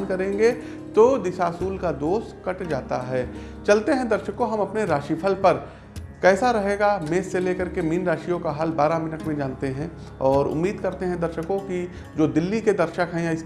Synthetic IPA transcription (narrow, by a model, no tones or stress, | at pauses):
nkɐɾẽːŋɡe | t̪oːd̪ɪsaːsuːlkad̪oːst̪kɐʈd͡ʒaːt̪a̰ɦɛː | t͡ʃɐlt̪eɦɛ̃d̪ɐɾʃəkõɦɐmɐpneɾaːʃipʰəlpɐɾ | kɛːsaɾɐɦeːɡameːsːeleːkɐɾkemiːnɾaːʃijõkaɦalbaːɾamɪnəʈmẽd͡ʒaːnt̪eɦɛ̃ | ɔːɾʊ̰mːiːd̪kɐɾt̪eɦɛ̃d̪ɐɾʃəkõki | d͡ʒoːd̪ɪlːiked̪ɐɾʃəkɦɛ̃jaɪs